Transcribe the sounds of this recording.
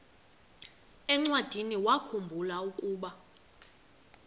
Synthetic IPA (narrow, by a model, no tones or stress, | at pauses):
ɛŋ͡ǀwad̥ʱiniwakʰumbʱulaukʼuːɓa